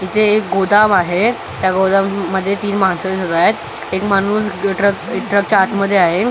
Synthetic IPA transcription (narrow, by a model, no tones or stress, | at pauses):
it̪ʰeːk̚ɡod̪amaɦe | t̪jaɡod̪amːəd̪ʱːjet̪iːnmɦansəd͡ʑot̪ajat̪ | ekmanuːsʈɾəkʈɾək̚t͡ɕaːt̪məd̪ʱːjeaɦe